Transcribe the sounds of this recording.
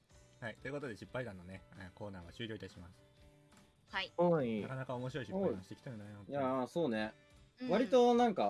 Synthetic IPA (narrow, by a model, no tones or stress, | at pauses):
hait̪o̞jɯ̟kot̪od̪e̞ɕipːaid̪ãnːo̞ne̞ko̞ːnaːɡaɕɨːɾʲo̞it̪aɕimasɨ̥ | haioinakanakao̞moɕiɾo̞iɕiopɕi̥t̪e̞kʲit̪aenaojaso̞ːne̞ | βaɾʲit̪o̞nãŋka